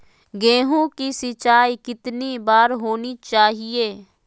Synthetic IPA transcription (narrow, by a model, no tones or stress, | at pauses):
ɡẽːɦõkisɪt͡ʃaːikɪt̪nibaːɾɦoːnit͡ʃaːɦieː